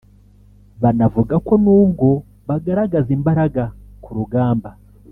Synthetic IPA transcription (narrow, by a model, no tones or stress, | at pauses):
βanavuɡako̞nuːbɡo̞ | βaɡaɾaɡazimbaɾaɡakuɾuɡaːmba